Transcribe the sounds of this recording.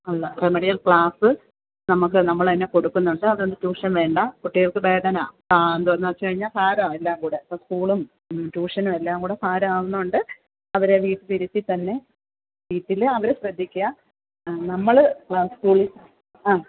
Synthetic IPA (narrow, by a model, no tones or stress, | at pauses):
ɐlːɐremeɽijɐlkɭaːsɨ | nɐmukːɨnɐmːɐɭɐinːeko̞ɽukːunːuɳɖɨɐðond̪ɨtuːʂɐmʋe̞ːɳɖɐkuʈːijɐɭkɨbeːdɐna̰ː | aend̪uʋɐnːɐt͡ɕːɨkɐɻiɲːaːlfaːɾaːelːaːmkuːɽeɐpːoːskuːɭum | tuːʂɐnumelːaːŋkuːɽe̞faːɾaːʋunːuuɳɖɨ | ɐʋɐɾe̞ʋiːʈːɨp̪iɾut̪ːit̪ːɐnːe̞ | ʋiːʈːilɐʋɐɾeɕrɐd̪ʱːikʲːua | nɐmːɐɭkɭaːsɨ̥tuːɭis | aː